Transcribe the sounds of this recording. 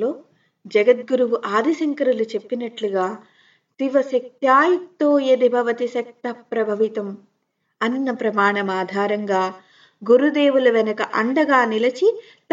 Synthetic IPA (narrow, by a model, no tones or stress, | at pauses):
lo̞ː | d͡ʒɐɡɐt̪̚ɡuɾuʋuʔaːd̪ʱisɐŋkɐɾulut͡ʃepːinɐʈluɡaː | t̪iʋɐsɐk̚t̪jaːjɐt̪ːoːjed̪ibʱɐʋɐt̪isɐk̚t̪ɐpɾɐbʱɐʋit̪ɐm | ɐnːɐpɾɐmaːɳɐmaːd̪ʱaːɾɐŋɡaː | ɡuɾud̪eːʋulɐʋɛnɐkɐʔɐɳɖɐɡaːnilɐt͡ʃi | t̪